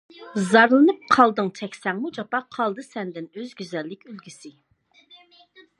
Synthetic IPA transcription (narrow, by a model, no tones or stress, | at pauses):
zɑɾlˠɨnɨp̚qʰɑlˠd̪ɨŋt͡ʃʰɛkʲsɛŋmud͡ʒɑpɑqʰɑlˠd̪ɨsɛnd̪ɪnøzɡʲyzɛlːɪkʲølɡʲisɪ